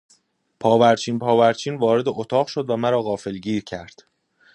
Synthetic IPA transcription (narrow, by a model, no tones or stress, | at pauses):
pʰɒːvæɾt͡ʃʰiːnpʰɒːvæɾt͡ʃʰiːnvɒːɾe̞d̪e̞ʔot̪ʰɒːɣʃo̞d̪væmæɾɒːɣɒːfe̞lɟiːɾcʰæɾd̪̥